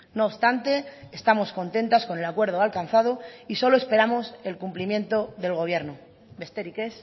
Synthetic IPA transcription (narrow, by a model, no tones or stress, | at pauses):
noːβst̪ant̪e̞est̪amo̞sko̞nt̪e̞nt̪asko̞nelakwe̞ɾð̞oalkan̟θaðoiso̞loe̞spe̞ɾamo̞se̞lkumplimjẽ̞nt̪o̞ðe̞lɣ̞o̞β̞je̞ɾno | be̞st̪e̞ɾikes